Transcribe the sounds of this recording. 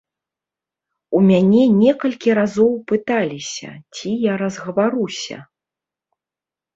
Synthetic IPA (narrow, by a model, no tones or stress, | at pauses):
umʲanʲɛnʲɛkɐlʲkʲiɾazɔwpɨt̪alʲisʲɐ̰t͡sʲijaɾɐzɣɐvaɾusʲɐ̰